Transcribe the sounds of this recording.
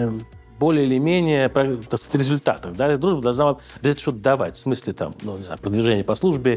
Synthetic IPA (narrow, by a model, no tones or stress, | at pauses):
bo̞lʲɪəɪlʲɪmʲenʲɪjəpɾɐt̪ɐkskt̪ʲɾʲɪzʊlʲt̪a̰t̪əvd̪ad̪ɾuʐbəd̪ɐlˠʐna | ɐbʲzat̪ʲnəʂt̪ot̪əd̪ɐva̰tʲfsmɨsʲlʲɪt̪a̰mnunʲɪzna̰jʊpɾəd̪vʲɪʐɛnʲɪjəpɐslˠuʐbʲɪ